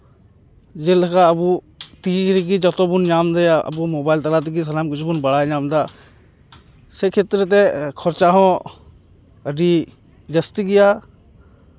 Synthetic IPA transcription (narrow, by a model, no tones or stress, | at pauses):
d͡ʒɪlkaɐbu | t̪iːɾɡid͡ʒɐt̪obʊnd͡ʒaːmd̪eaɐ̰bumoːbaːɪlt̪əɾaːt̪̬iɡis̬ɐlaːmkʊt͡ʃʰbʊnbəɽaːd͡ʒaːmd̪aː | sekʰet̪ɾt̪̬ekʰɔɾt͡ʃaːɦõ | əɖi | d͡ʒəst̪iɡɪjaː